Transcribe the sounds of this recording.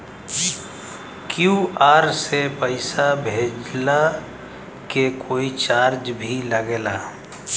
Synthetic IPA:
kjuaːɾsepəɪsabʱeːd͡ʒla | kekʰoːit͡ʃaːɾd͡ʒbʱiləɡeːlaː

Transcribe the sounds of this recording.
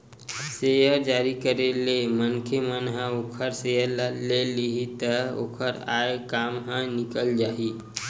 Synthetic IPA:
sejəɾd͡ʒaːɾikəɾelemənkʰemənɦãokʰəɾsejəɾlleliɦit̪əo̰kʰəɾa̰ːekaːmɦãnɪkəld͡ʒaːiː

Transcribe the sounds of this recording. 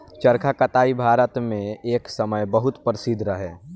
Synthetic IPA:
t͡ʃɐɾkʰakɐt̪aːibʱaːɾət̪mẽeːksɐməjbɐɦʊt̪pəɾɪsid̪ʱɾɐɦɛː

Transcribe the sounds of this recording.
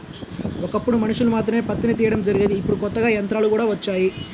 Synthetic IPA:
ɔkɐpːuɽumɐnuʂulumaːt̪̬ɾɐmeːpɐt̪ːinɐt̪iːjɐɽɐmd͡ʒɐɾiɡɐd̪iːpːuɽukɔt̪ːɐɡaːjɐnt̪ɾaːlukuːɽaːʋɐt͡ʃːaːji

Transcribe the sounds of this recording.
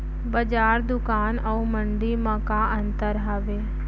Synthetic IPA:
bɐd͡ʒaːɾd̪ʊkaːnɐuməɳɖimãkaɐ̃nt̪əɾɦaːʋeː

